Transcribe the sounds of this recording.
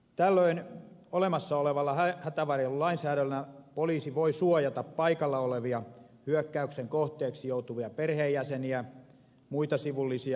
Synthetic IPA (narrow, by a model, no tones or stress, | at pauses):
t̪ælːøinolemɑsːɑoleʋɑlːɑhæhæt̪æʋɑrjollɑinsæːɾølːææpoliːsiʋoisuojɑt̪ɑppɑikɑlːɑoleʋiɑ | hyøkːæykseŋkoht̪eːksijout̪uʋiɑperheːjjæseniæ | muit̪ɑsiʋulːisiɑ